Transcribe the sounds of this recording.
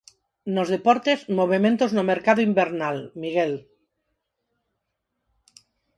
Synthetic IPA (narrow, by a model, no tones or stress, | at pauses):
nozðepoɾt̪ezmoβemẽnt̪oznomeɾkaðoimbeɾnalmiɣ̞el